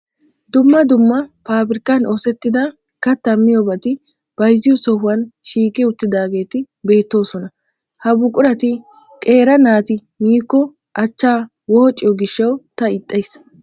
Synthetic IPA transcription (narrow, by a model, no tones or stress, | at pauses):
d̪ʊmːɐd̪ʊmːɐpaːbɪɾɪkːɐnoːsɛt̪ːɪd̪ɐ | kɐt̪ːɐmːɪjɔbɐt̪ɪ | b̥ɐjzɪjɔsɔhʊwɐnʃiːkʼɪʊt̪ːɪd̪aːɡe̞ːt̪ɪ | be̞ːt̪ːo̞ːsɔnɐ | hɐbʊkʼʊɾɐt̪ɪ | kʼe̞ːɾɐnaːt̪ɪ | miːkːɔ | ʔɐt͡ʃːaː | woːt͡ʃʼːɪjɔɡɪʃːɐwt̪ɐɪt̪ʼːɐjs